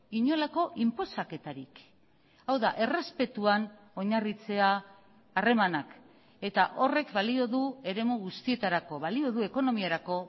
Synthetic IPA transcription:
iɲo̞lako̞ʔimpo̞sake̞t̪aɾik | awðaʔe̞re̞spe̞t̪uan | o̞ɲarit͡se̞aː | re̞manak | e̞t̪aʔo̞re̞kbalio̞ðue̞ɾe̞muɣ̞ust̪ie̞t̪aɾako̞βalio̞ðue̞ko̞no̞miaɾako̞

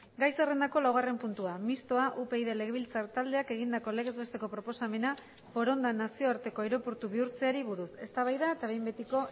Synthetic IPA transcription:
ɡajse̞re̞nd̪ako̞lawɣ̞are̞mpunt̪uamist̪o̞aʔupe̞iðe̞le̞ɣeβilt͡saɾt̪ald̪e̞ake̞ɣ̞ind̪ako̞le̞ɣe̞zβe̞st̪e̞ko̞pɾo̞po̞same̞na | fo̞ɾo̞nd̪anasio̞aɾt̪e̞ko̞eɾo̞puɾt̪uβ̞iuɾt͡se̞aɾiβuɾuse̞st̪aβ̞ajðaet̪aβe̞jmbe̞t̪iko̞

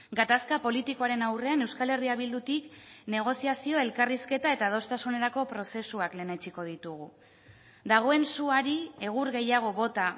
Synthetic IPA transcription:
ɡat̪askapo̞lit̪iko̞aɾe̞nawre̞ane̞wskale̞riaβild̪ut̪ikne̞ɣ̞o̞siasio̞e̞lkariske̞t̪ae̞t̪að̞o̞st̪asune̞ɾako̞pɾo̞se̞suakle̞ːnet͡ʃiko̞ð̞it̪uɣu | d̪aɣ̞o̞e̞nsuaɾie̞ɣ̞uɾɣejaɣ̞o̞βo̞t̪a

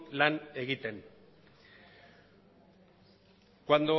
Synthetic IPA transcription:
lane̞ɣit̪e̞n | kwand̪o

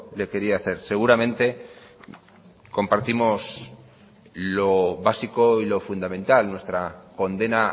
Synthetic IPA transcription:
le̞ke̞ɾiaːθe̞ɾse̞ɣ̞uɾamẽ̞nt̪e̞ | ko̞mpaɾt̪imo̞s | lo̞βasiko̞ilo̞fund̪amẽ̞nt̪alnwe̞st̪ɾako̞nd̪e̞na

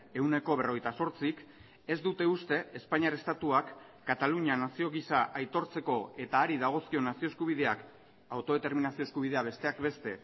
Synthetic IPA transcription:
e̞wne̞ko̞β̞e̞ro̞ɣ̞ejt̪aso̞ɾt͡sik | e̞zd̪ut̪e̞ust̪e̞espaɲiaɾest̪at̪uakː | at̪aluɲanasio̞ɣisaʔajt̪o̞ɾt͡se̞ko̞e̞t̪aːɾiðaɣ̞o̞skio̞nasio̞eskuβ̞iðe̞ak | awt̪o̞ðe̞t̪e̞ɾminasioeskuβ̞iðe̞aβe̞st̪e̞akbe̞st̪e̞

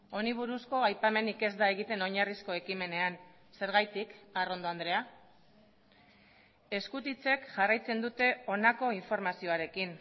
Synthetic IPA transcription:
o̞niβ̞uɾusko̞ajpame̞nike̞zd̪ae̞ɣ̞it̪e̞no̞ɲarisko̞e̞kime̞ne̞an | se̞ɾɣajt̪ikaro̞nd̪o̞and̪ɾe̞a | e̞skut̪it͡se̞kʝarajt͡se̞nd̪ut̪e̞o̞nako̞iɱfo̞ɾmasio̞aɾe̞kin

